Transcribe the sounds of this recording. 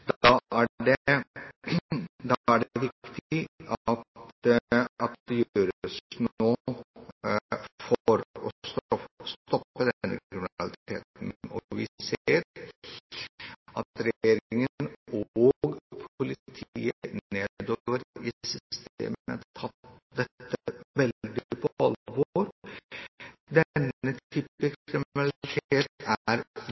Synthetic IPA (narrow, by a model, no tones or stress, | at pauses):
d̪ɑæɖɛ | d̪ɑæɖɛʋɪkt̪ɪɑt̪ | ɑt̪̚d̪ɛjøːɾsnoː | fɔɾɔst̪ɔst̪ɔpːəd̪nːə̰kɾɪmɪnɑlɪt̪ʰḛːt̪nɔ̰ʋɪseːɾ | ʔɑt̪ɾɛjeːɾɪŋənoɡpʰʊlɪt̪ʰḭːəeːd̪oʋəɾɪsʏst̪ḛːmə̰t̪ʰɑt̪d̪ɛt̪ːəʋɛld̪ɪɪpʰɔʔɑlʋoɾ | d̪ɛnət̪ʰyːpːɪkʰɾɪmnɑlt̪ʰeːt̪æɾ